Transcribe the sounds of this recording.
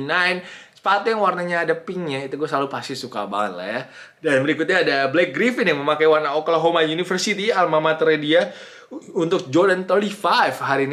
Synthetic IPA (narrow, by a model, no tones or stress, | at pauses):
najnsə̥pat̪jaŋwarnaɲaːdapɪŋɲait̪uɡuasəlalupast̪isuka̰ba̰ŋət̪̚la̰hjadanbəɾikʊt̪̚ɲaːdablɛk̚ɡɾifɪnjaŋməmakajwarnaokəlaɦomajunifərsit̪ialmamat̪əɾedia | unt̪ʊk̚d͡ʒɔrdant̪ɔlifajfɦaɾin